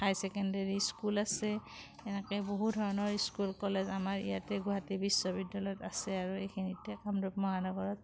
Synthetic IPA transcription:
ajsɛkɛndaɹiskulasɛ | ɛnɛkɛboɦudʱɔɹɔnɔɹiskulkɔlɛzamaɹḭjatɛɡuɦatibisːɔbidːalɔjɔtasɛaɹuejkʰinitɛkamdup̚mɔɦanɔɡɔɹɔt̚

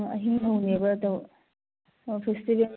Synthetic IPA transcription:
ɐɦiŋɦɐwnebɐɐdɐw | pʰestibel

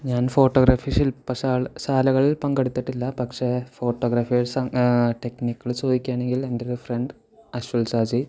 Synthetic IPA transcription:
ɲaːnfo̞ːʈːoːɡɾaːfiʂilpɐsaːɭsaːlɐɣɐɭilpɐŋɡɐɽut̪ːiʈːilːɐpɐkʂe̞fo̞ːʈːoːɡɾɐːfijɐɭsɐʈe̞knikːɐɭt͡ɕo̞ːd̪ikʲːaːɳe̞ŋɡilendeɾufɾeɳɖ | ɐɕulsaːd͡ʑi

